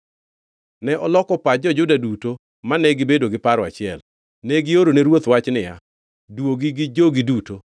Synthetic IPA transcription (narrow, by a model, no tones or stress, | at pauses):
nɛʔɔlɔkɔpad͡ʒɔd͡ʒʊdaduto | manɛɡɪbedoɡɪpaɾɔa̰t͡ʃɪɛl | nɛɡɪoɾoneɾwot̪wat͡ʃnɪja̰ | dwoɡɪɡɪd͡ʒoɡɪduto